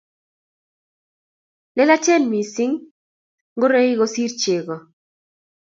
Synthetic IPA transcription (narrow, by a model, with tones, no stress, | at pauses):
lɛ˦la˦t͡ʃɛ˦nmi˨sɪ˦ŋ | ŋɡʊ˦ɾe˦i˦ɣɔ˦si˦rt͡ʃe˨ɣɔ˨